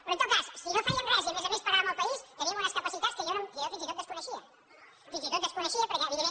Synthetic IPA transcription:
pɾɔ̃nt̪ot̪kassinofɛʎənrɛziəmezəmespəɣaβɐməlˠpəisjəβiəβɔnəskəpəsit̪at̪skəʒɔnokəjɔfinzit̪ot̪d̪əskunəʃiə | finzit̪ot̪d̪əskunəʃiəpəɾkɛəβiðemːe

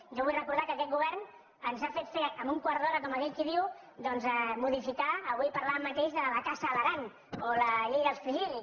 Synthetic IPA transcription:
ʒɔβujrəkuɾðakəkɛt̪̚ɡuβɛɾn | ənzafet̪feəmbuŋkwaɾðɔɾəkɔməkɛʎkiðiw | d̪ɔnzəmuðifikaəβujpaɾlamːət̪eʒðələkasələɾaŋ | oləʎejðəlˠsfiʒil

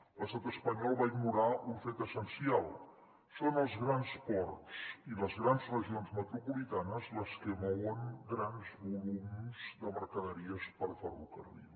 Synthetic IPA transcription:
ləst̪at̪əspəɲɔlˠβaiɡnuɾauɱfet̪əsənsialˠ | sonəlˠzɣɾanspɔrtt͡siləzɣɾanzrəʒionzmət̪ɾupulit̪anəzləskəmɔwəŋɡɾanzβulumzd̪əməɾkəðəɾiəspəlfərukə̰rðḭ

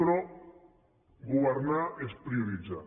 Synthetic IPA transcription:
ɾo | ɡuβeɾnaespɾiuɾid͡za̰

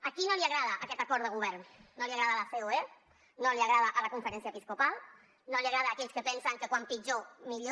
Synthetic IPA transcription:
akinoliaɣɾaðaʔakɛt̪akɔɾt̪əɣuβ̞ɛɾnːoliaɣɾaðaːlafeoe | noliaɣɾað̞aʔalakuɱfəɾɛnsjaepiskupalˠ | noliaɣɾaðaːkɛʎskəpɛnsaŋkəkwampid͡ʒomiʎo

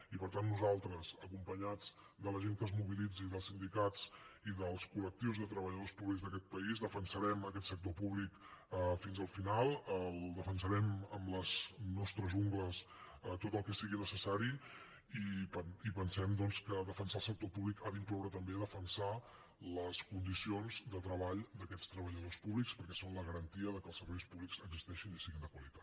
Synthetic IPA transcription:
ipəɾt̪anːuzalˠt̪ɾəzəkumpəɲad͡z | d̪ələʒeŋkəzmuβilid͡ziðəlˠsind̪ikat͡siðəlˠskulək̚t̪iwzðət̪ɾəβəʎəðospuβliɡzðəkɛt̪̚pəizðəfənsəɾɛməkɛt̪sək̚t̪opuβlikəfinzəlˠfinalˠəlˠd̪əfənsəɾɛməmləznɔst̪ɾəzuŋɡləs | ət̪ot̪əlˠkɛsiɣinəsəsaɾi | ipəipənsɛmd̪ɔnskəðəfənsalˠsək̚t̪opuβlikaðiŋklɔwɾət̪əmbeðəfənsa | ləskund̪isionzd̪ət̪ɾəβaʎd̪əkɛtt͡sst̪ɾəβəʎəðospuβlikspəɾkɛsonləɣəɾənt̪iəðəkəlˠsəɾβɛjspuβlikz̥əɡzist̪ɛʃinisiɣind̪əkwəlit̪ḁt̪

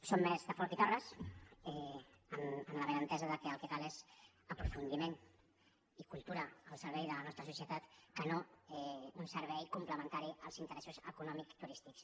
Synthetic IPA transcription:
somːɛzðəfɔɾt̪it̪arəsɛəməmləβənənt̪ɛzəðəkəəlˠkəkalez | əpɾufund̪imen | ikulˠt̪uɾəəlˠsəɾβɛjðələnɔst̪ɾəsusiət̪at̪kənoɛunsəɾβ̞ɛjkumpləmə̃nt̪aɾiəlˠzint̪əɾɛsuzəkunɔmikt̪uɾist̪iks

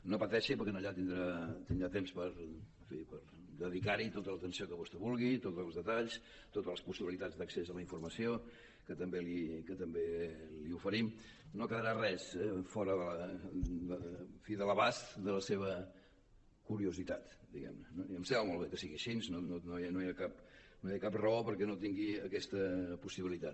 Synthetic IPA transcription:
nopət̪ɛʃipəɾkɛnoʎat̪ind̪ɾat̪ind̪ɾat̪emspəɾ | fipəɾ | d̪əðikaɾit̪ot̪ələt̪ənsiokəβost̪əβulˠɣit̪ot̪lˠzðət̪aʎs | t̪ot̪ələspusiβilit̪ad͡zd̪əksezələiɱfurməsio | kət̪əmbelikət̪əmbeliufəɾim | nokəðəɾarɛsɛfɔɾəðələd̪əfiðələβasðələseβ̞ə | kuɾiuzit̪at̪d̪iɣɛ̰mnənoiəmsɛβəmolˠβ̞ekəsiɣiʃinsnonononoiakapnojakaprəopəɾkɛnot̪iŋɡiəkɛst̪əpusiβilit̪at̪

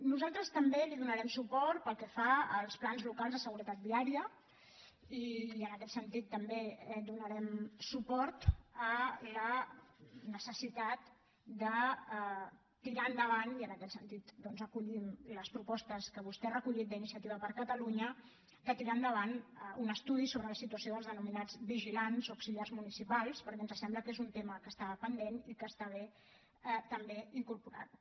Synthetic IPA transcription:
nuzalˠt̪ɾəst̪əmbeliðunəɾɛmsupɔɾt̪̚pəlˠkɛfaəlˠsplanzlukalzðəsəɣuɾət̪at̪̚d̪iaɾiə | iənəkɛt̪sənt̪it̪ːəmbeɛd̪unəɾɛmsupɔɾt̪ələ | nəsəsit̪at̪ | d̪ə | t̪iɾand̪əβaniənəkɛt̪sənt̪it̪d̪ɔnzəkuʎimləspɾupɔst̪əskəβust̪ɛrəkuʎit̪̚d̪əinisiət̪iβəpəɾkət̪əluɲə | kət̪iɾand̪əβ̞anunəst̪uðisoβɾələsit̪uəsioðəlzðənuminad͡zβiʒilanzuksiliarzmunisipalˠspəɾkɛnzəsɛmbləkezunt̪eməkəst̪aβəpənd̪enikəst̪aβe | ɛt̪əmbeiŋkuɾpuɾa̰t̪̚

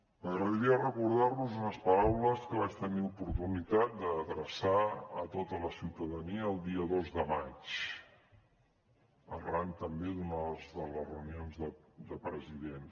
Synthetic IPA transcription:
əɣɾəðəɾiərəkuɾð̞aɾnuzunəspəɾawləskəβat͡ʃt̪əniupuɾt̪unit̪at̪̚d̪əːðɾəsaət̪ot̪ələsiwt̪əðəniəːlˠd̪iəðozðəmat͡ʃ | ə̰rlant̪əmbeðunəzðələzrəunionzðəd̪əpɾəziðen

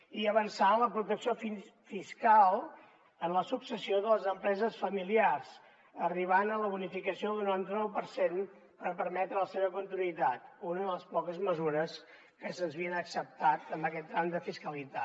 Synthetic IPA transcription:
iəβənsaləpɾut̪əksiofifiskalˠ | ənləsuksəsioðəlˠəzəmpɾɛzəsfəmiliarz | əriβ̞anələβunifikəsioðunant̪ənɔwpəɾsen | pəɾpəɾmɛt̪ɾələseβəkunt̪inuit̪at̪̚unəðələspɔkəzməzuɾəs | kəsənzβiənəksəp̚t̪at̪əmbəkɛt̪̚d̪ɾand̪əfiskəlit̪a

